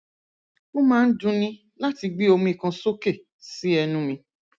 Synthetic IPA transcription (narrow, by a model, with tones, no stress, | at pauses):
ko˦mãː˦n̩˦dũ˧nĩ˦ | la˦ti˧ɡ͡bi˦o˧mũ˧i˨kã˧so˦ke˦˨ | si˦ɛ˧nũ˧mĩ˧